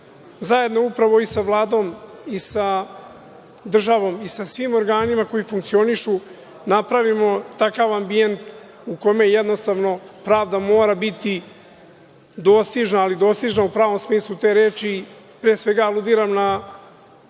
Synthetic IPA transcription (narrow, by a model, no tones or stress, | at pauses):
zaje̞d̪no̞upɾaʋo̞isaʋlˠaːd̪o̞ːmisa | d̪r̩ʒaʋo̞misasʋimo̞ɾɡaːnimako̞jifuŋkt̪sio̞niʃu | napɾaʋimo̞t̪akaʋambient̪ | uko̞mejjɛd̪no̞st̪aʋno̞pɾaːʋd̪amo̞ːɾabit̪i | d̪o̞st̪iʒnaːlid̪o̞st̪iʒnaupɾaːʋo̞msmiːslˠut̪e̞ːɾeːt͡ʃiː | pɾeːsʋe̞ɡalud̪iːɾamna